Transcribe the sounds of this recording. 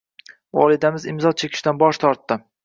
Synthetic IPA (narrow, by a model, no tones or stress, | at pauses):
vɒ̰lˠɪd̪amɪzɪmzɒt͡ʃʰekʲʰɪ̥ʃt̪anbɒʃt̪ʰɒɾt̪ːɪ